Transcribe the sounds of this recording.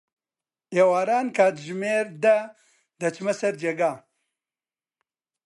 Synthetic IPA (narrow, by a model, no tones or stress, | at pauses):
ewaːɾaːnkaːt̪ʒmeːɾd̪a | d̪ɐt͡ʃmɐsɐɾd͡ʒeɡaː